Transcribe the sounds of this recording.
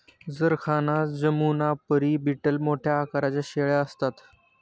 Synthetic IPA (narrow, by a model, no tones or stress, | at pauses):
d͡zəɾkʰanad͡ʑəmunapəɾiːbiʈəlmoʈʰjaːkaɾat͡ɕjaɕeɭaəst̪at̪